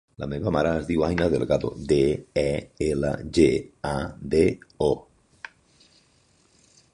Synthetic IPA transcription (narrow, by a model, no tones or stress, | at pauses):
la̰meβamaɾaːzðiwajnaðeleɣaðo̰d̪eɛela̰ʒead̪eo